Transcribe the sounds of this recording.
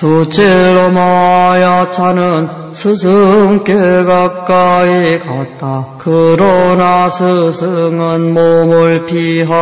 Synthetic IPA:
tot͡ɕʰeɾomajat͡ɕʰanɯn | sʰɯs̬ʰɯŋk͈eɡak̚k͈aikat̚t͈akɯɾʌnasʰɯsʰɯŋɯnmomuɭpʰiɦa

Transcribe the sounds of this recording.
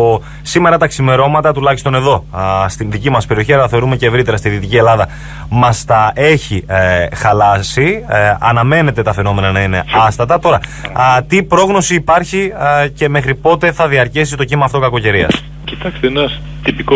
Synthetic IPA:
o | sime̞ɾɐt̪ɐksime̞ɾo̞mɐt̪ɐt̪ulɐçist̪o̞ne̞ðo̞st̪inðicimɐspe̞ɾio̞çiɐlɐɐθe̞o̞ɾume̞ce̞ːvɾit̪e̞ɾɐst̪iðit̪icie̞lɐðɐ | mɐst̪ɐe̞çixɐlɐsiɐnɐme̞ne̞t̪e̞t̪ɐfe̞no̞me̞nɐnɐine̞̰ɐst̪ɐt̪ɐt̪o̞ɾɐt̪ipɾo̞ɣno̞siːpɐɾçice̞me̞xɾipo̞t̪e̞θɐðiɐɾcisit̪o̞cimɐːft̪o̞kɐko̞ce̞ɾiɐ̰s | cit̪ɐkst̪enɐs | t̪ipik

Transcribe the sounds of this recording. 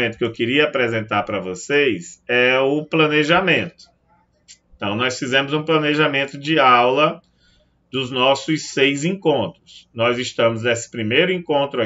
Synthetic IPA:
ẽnt̪ʊ̥kɪewkɪɾiɐapɾɛzẽnt̪aɾpɾɐvosejzɛʊplɐ̃neʒamẽnt̪ʊ̥ | ẽt̪ɐ̃w̃nɔjsfizẽmʊzũplɐ̃neʒamẽnt̪ʊd͡ʒɪawlɐ | d̪ʊznɔsʊsejzẽkõnt̪ɾʊsnɔzɪst̪ɐ̃mʊznesɪ̥pɾimejɾʊĩkõnt̪ɾʊa

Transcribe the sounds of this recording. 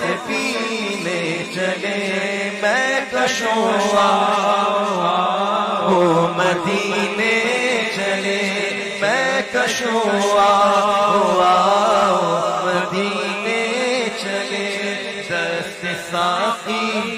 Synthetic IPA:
epinet͡ʃɐle | mɛ̃kəʃoa | ɦoməd̪ʱiːnet͡ʃɐle | mɛ̃kɐʃoaːɦoaomɐd̪iːnet͡ʃɐle | d̪ɐsɪsaːfi

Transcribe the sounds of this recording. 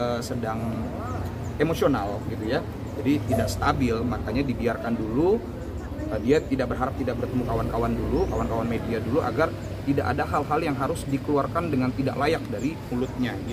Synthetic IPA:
əsədaŋ | emosionalɡit̪uja | d͡ʒadit̪idaʔst̪abɪlmakaɲadibiarkandulu | ədiat̪idaʔ̚bərɦaɾap̚t̪idak̚bərt̪əmukawankawandulukawankawanmediaduluʔa̰ɡar | t̪idaʔadaɦalɦaljaŋɦaɾʊsdikəluarkandəŋant̪ida̰ʔlajak̚daɾimulʊt̪̚ɲa

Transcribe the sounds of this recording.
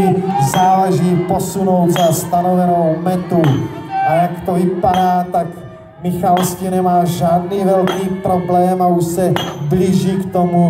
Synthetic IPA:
ɪzaːlɛʒiːpo̞suno̞wd̪zast̪anovɛnowmɛt̪uʔajakt̪ovɪpadaːt̪ak | mɪxalscinɛmaːʒaːd̪niːvɛlkiːpɾo̞blɛːmauʃsɛbliːʒiːkt̪omu

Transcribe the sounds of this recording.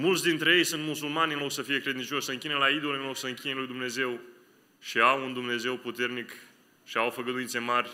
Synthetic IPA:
mult̪sʲd̪int̪ɾe̞je̞jsunt̪musulmanʲɨnlo̞ksəfije̞kɾe̞d̪int͡ʃo̞ʃʲsəɨŋkʲinelaid̪oleɨnlo̞ksəɨŋkʲinelujd̪umne̞ze̞w | ʃiawund̪umne̞ze̞wput̪ernik | ʃiawfəɡəd̪uint̪se̞marʲ

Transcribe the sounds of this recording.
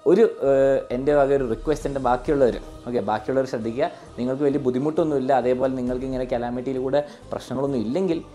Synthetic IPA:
o̞ɾue̞nde̞bʱɐɣɐo̞ɾurikːwʋestendebaːkːijuɭːɐʋɐɾṵ | o̞ːkːebaːkːijuɭːɐʋɐɾɕrɐd̪ʱːikʲːuːɐ | niŋːɐɭkɨʋɐlijɐbud̪ʱimuʈːuonːumilːɐɐðe̞ːpo̞ːleniŋːɐɭkɨiŋːɐnekɐlaːmiʈːijilkuːɽe̞ | prɐ̰ɕnɐŋːɐɭo̞nːumilːe̞ŋɡil

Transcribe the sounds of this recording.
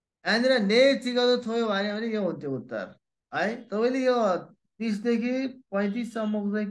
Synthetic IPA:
aniɾʌnet͡sikʌt̪ot̪ʰojobʱanjebʌnejoɦũnt̪ʰjout̪ːa̰r | ɦʌjt̪ʌpaj̃lejo | t̪is̬d̪ekʰipʌ̃j̃t̪̬isʌmʌkd͡zek

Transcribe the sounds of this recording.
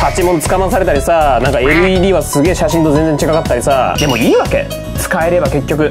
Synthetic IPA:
hat͡ɕimõ̞nt͡sɨ̥kamas̬aɾe̞t̪aɾʲisanãŋkaeɾɯ̟iːd̪ʲiːβasɨɡe̞ːɕaɕĩnt̪o̞zeñd͡zẽ̞ɲt͡ɕikakat̪ːaɾʲisad̪e̞mo̞iːβake̞̰ | t͡sɨ̥kae̞ɾe̞bake̞kʲːo̞kɯ̟

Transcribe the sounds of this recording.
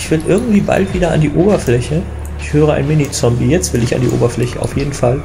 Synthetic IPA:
ɪçv̥ɪlʔɪɐɡŋ̩tv̥iːba̰ltv̥iːdɐa̰ndiːʔoːbɐflɛçə | ʔɪçhøːʁ̞əa̰ɪnmɪnit͡sɔmbijɛt͡stv̥ɪlɪça̰ndḭːʔo̰ːbɐflɛçəʔaʊfjeːdn̩fal

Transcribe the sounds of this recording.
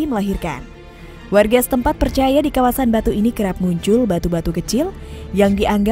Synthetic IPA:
iməlaɦirka̰n | warɡasə̥t̪əmpat̪̚pərt͡ʃajadikawasanbat̪uinikəɾap̚muɲt͡ʃʊlbat̪ubat̪ukət͡ʃɪljaŋdiʔaŋɡa

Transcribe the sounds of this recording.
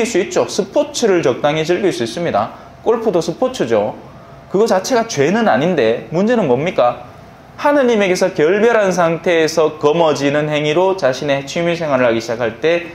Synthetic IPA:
iɭs͈uit̚t͡ɕ͈osʰɯpʰot͡ɕʰɯɾɯɭt͡ɕʌk̚t͈aŋɦed͡ʑɯɭɡiɭs͈uis͈ɯmɲida̰ | k͈oɭpʰodosʰɯpʰot͡ɕʰɯd͡ʑo | kɯɡʌt͡ɕat͡ɕʰe̞ɡat͡ɕwe̞nɯnaɲinde̞mund͡ʑe̞nɯnmʌmɲik͈a | hanɯɲime̞ɡe̞sʰʌkjʌɭbjʌɾɦans̬ʰaŋtʰe̞ːsʰʌkʌmʌd͡ʑinɯnhe̞ŋiɾot͡ɕaɕʰine̞t͡ɕʰimis̬ʰe̞ŋwaɾɯɭhaɡiɕʰid͡ʑakʰaɭt͈e̞

